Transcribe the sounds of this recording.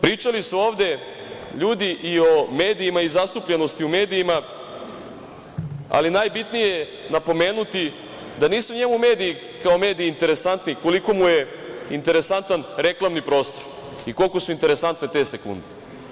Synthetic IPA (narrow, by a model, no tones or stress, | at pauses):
pɾiːt͡ʃalisuo̞ːʋd̪e̞ | ʎuːd̪iʔio̞me̞ːd̪ijimaizast̪upʎe̞no̞st̪iume̞ːd̪ijima | a̰linaːjbit̪nije̞ | napo̞me̞ːnut̪i | d̪aniːsuɲe̞mume̞ːd̪iji | kao̞me̞ːd̪iːnt̪e̞ɾe̞sant̪niko̞liko̞muje̞ | int̪e̞ɾe̞sant̪anɾe̞klˠamnipɾo̞ːst̪oɾ | iko̞lˠko̞suint̪e̞ɾesant̪net̪e̞sekṵnd̪e